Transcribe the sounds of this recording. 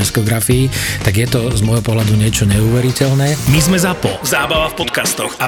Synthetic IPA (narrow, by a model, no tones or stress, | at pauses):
ɛskɔɡɾafiit̪aɡjɛt̪ɔzmɔjɦɔpɔɦlad̪uɲɪɛt͡ʃɔɲɛuːʋɛɾicɛlnɛːmizmɛzapɔ̰zaːbaʋafpɔt̪kast̪ɔxa